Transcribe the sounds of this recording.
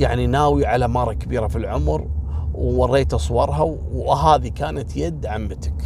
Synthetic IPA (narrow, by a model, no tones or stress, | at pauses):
jaʕninaːwiʕalamɑːɾˤɑkabiːɾafilʕʊmɾwwɑrˤːeːt̪ʔɑsˤwɑɾˤɦa | wɦaːðikaːnat̪jad̪ʕamːat̪ɪ̥k